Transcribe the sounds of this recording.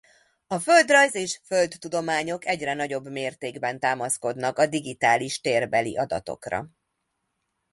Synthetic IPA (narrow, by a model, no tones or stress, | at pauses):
ɒfø̞ld̪rɒjzeːʃfølt̪ːud̪o̞maːɲo̞kɛɟrɛnɒɟo̞bmeːrt̪eːɡbɛnt̪aːmɒsko̞d̪nɒkɒd̪iɡit̪aːliʃt̪eːrbɛlḭʔɒd̪ɒ̰t̪o̞̰krɒ̰